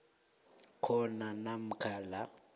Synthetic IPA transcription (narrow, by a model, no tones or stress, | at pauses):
kʰɔnanam̩kʰala